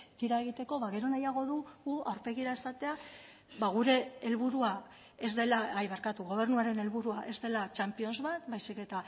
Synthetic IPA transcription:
t̪iɾae̞ɣit̪e̞ko̞βaɣe̞ɾo̞najaɣ̞o̞ðuɣuawɾpe̞ɣiɾaesat̪e̞a | βaɣuɾe̞ːlβuɾua | e̞zd̪e̞laajβeɾkat̪uɣo̞β̞e̞ɾrnuaɾe̞ne̞lβuɾuaʔe̞zd̪e̞lat͡ʃampio̞nzβat̪bajsike̞t̪a

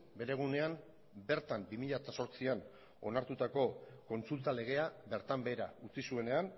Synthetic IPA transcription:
be̞ɾe̞ɣ̞une̞am | be̞ɾt̪ambimiʎat̪aso̞ɾt͡sian | o̞̰naɾt̪ut̪ako̞ko̞nt͡sult̪ale̞ɣ̞e̞abe̞ɾt̪ambe̞ːɾaut͡sisue̞ne̞an

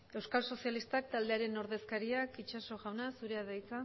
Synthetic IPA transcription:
e̞wskalso̞sjalist̪ak̚t̪ald̪e̞aɾe̞no̞ɾðe̞skaɾiakit͡ʃaso̞ɣawnasuɾe̞aðajt͡sa

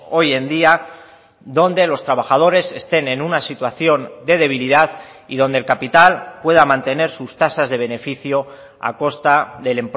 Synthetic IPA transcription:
o̞je̞nd̪ia | ðo̞nd̪e̞lo̞st̪ɾaβ̞axað̞o̞ɾe̞se̞st̪e̞ne̞nunasit̪waθjo̞nd̪e̞ðe̞β̞iliðað | iðo̞nd̪elkapit̪alpwe̞ð̞amãnt̪e̞ne̞ɾsust̪asazðe̞β̞e̞ne̞fiθjo̞ | a̰ko̞st̪aðe̞le̞mp

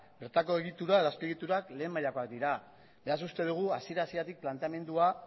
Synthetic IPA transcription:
beɾt̪ako̞e̞ɣit̪uɾaeðoaskoeɣit̪uɾakle̞ːmaʎako̞akd̪iɾa | be̞asust̪e̞ð̞uɣ̞uasieɾaːsie̞ɾat̪ik̚plant̪e̞ame̞nd̪ua

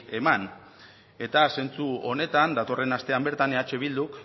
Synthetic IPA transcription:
e̞man | e̞t̪ase̞nt͡suo̞ne̞t̪and̪at̪o̞re̞nast̪e̞ambeɾt̪ane̞at͡ʃe̞β̞ild̪uk

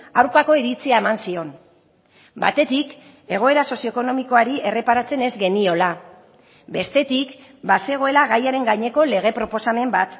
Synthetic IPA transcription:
awɾkako̞iɾit͡siae̞mansio̞n | ba̰t̪e̞t̪ik | e̞ɣ̞o̞e̞ɾaso̞sio̞ekono̞miko̞aɾie̞re̞paɾat͡se̞ne̞zɡe̞nio̞la | be̞st̪e̞t̪ik | base̞ɣ̞o̞e̞laɣajaɾe̞ŋɡaɲe̞ko̞le̞ɣ̞e̞pɾo̞po̞same̞mbat̪

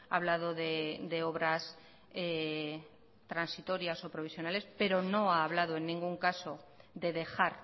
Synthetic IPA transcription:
a̰ːβ̞lað̞o̞ðed̪e̞o̞βɾas | e | t̪ɾansit̪o̞ɾjaso̞pɾo̞β̞isjo̞nale̞spe̞ɾo̞no̞aːβ̞lað̞oe̞nːĩŋɡuŋkaso̞d̪e̞ðe̞xaɾ

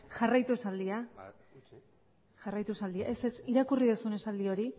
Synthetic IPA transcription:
ʝarajt̪ue̞sald̪ia | ʝarajt̪uesald̪iaʔe̞sesiɾakuriðusune̞sald̪io̞ɾi

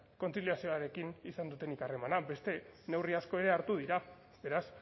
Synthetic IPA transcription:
ko̞nt͡siliasioaɾe̞kinisand̪ut̪e̞nikare̞manabe̞st̪e̞ne̞wriasko̞e̞ɾe̞aɾt̪uð̞iɾa | be̞ɾas

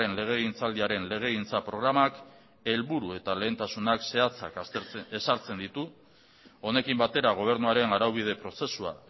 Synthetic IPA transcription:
e̞nle̞ɣ̞e̞ɣint͡sald̪iaɾe̞nle̞ɣ̞e̞ɣint͡sapɾo̞ɣ̞ɾamak | e̞lβuɾue̞t̪ale̞ːnt̪asunakse̞at͡sa̰kesaɾt͡se̞nd̪it̪u | o̞ne̞kimbat̪e̞ɾaɣ̞o̞β̞e̞ɾnuaɾe̞naɾawβ̞ið̞e̞pɾo̞se̞sua̰

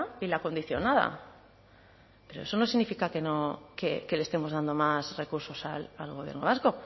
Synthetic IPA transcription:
ilako̞nd̪iθjo̞naða̰ | pe̞ɾo̞e̞so̞no̞siɣnifikake̞no̞keke̞lest̪e̞mo̞zðand̪o̞masre̞kuɾso̞salalɣo̞βjeɾno̞βasko̞

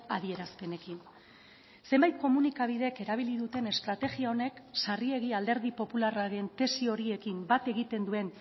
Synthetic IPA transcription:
aðie̞ɾaspe̞ne̞kin | se̞mbajt̪̚ko̞munikaβ̞iðe̞ke̞ɾaβ̞iliðut̪e̞ne̞st̪ɾat̪e̞ɣiao̞ne̞ksarie̞ɣiald̪eɾð̞ipo̞pularaɾe̞nt̪e̞sio̞ɾie̞kimbat̪e̞ɣit̪e̞nd̪ue̞n

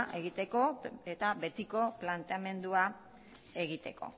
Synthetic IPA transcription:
ʔe̞ɣit̪e̞ko̞e̞t̪aβe̞t̪iko̞plant̪e̞ame̞nd̪ua | e̞ɣit̪e̞ko̞̰

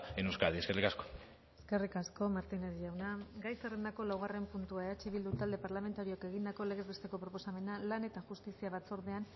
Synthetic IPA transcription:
enewskald̪ieskerikasko̥ | eskerikasko̞maɾt̪ineðiʝawnaɡajserend̪ako̞lawɣ̞are̞mpunt̪uaeat͡ʃeβild̪ut̪ald̪e̞paɾlame̞nt̪aɾioke̞ɣ̞ind̪ako̞le̞ɣezβest̪e̞ko̞pɾopo̞same̞nalane̞t̪aʝust̪isiaβat͡so̞ɾðean

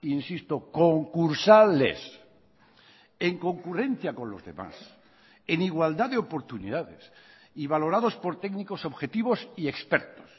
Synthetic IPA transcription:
insist̪okoŋkuɾsalḛs | e̞ŋko̞ŋkure̞n̟θjakõ̞nlo̞zðe̞̰ma̰s | eniɣwald̪aðeopo̞ɾt̪unḭðaðḛs | iβ̞alo̞ɾaðo̞spo̞ɾt̪eɡniko̞so̞βxe̞t̪iβo̞siekspeɾt̪o̥s

